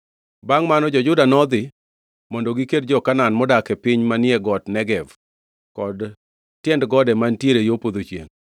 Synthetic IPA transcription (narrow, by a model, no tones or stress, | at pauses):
baŋmanɔd͡ʒɔd͡ʒʊdanɔd̪ɪ | mɔndɔɡiked̚d͡ʒɔkananmɔdakɛpɪɲmanɪɛɡɔtnɛɡɛv | kɔd | tjɛndɡɔdɛmantjeɾejopod̪ot͡ʃḛŋ